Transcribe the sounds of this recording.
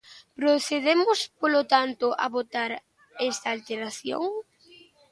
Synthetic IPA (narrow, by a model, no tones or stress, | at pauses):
pɾoθeðemʊspolot̪ant̪ʊʔa̰βot̪aɾ | ɛst̪aːlt̪eɾaθjo̰ŋ